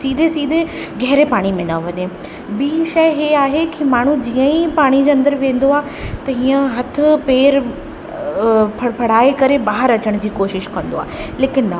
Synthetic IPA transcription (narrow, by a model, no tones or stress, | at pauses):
siːd̪ʱesiːd̪ʱe | ɡʱɛɦɾepaːɽ̃imẽnaʋɐɲe | biːʃɐɪɦeaːɦekʰimaːɳ̤ud͡ʑiə̃ipaːɽ̃id͡ʑeɐ̃nd̪əɾʋẽːn̆d̪oaːɦt̪ɐɦiːə̃ɦɐt̪ʰʊ̆peːɾ | pʰpʰɐɽ̤aːekɐɾebaːɦəɾɐt͡ɕəɽ̃d͡ʑiːkoːʃɪʃkɐ̃nd̪o̰aːleːkɪnːɐ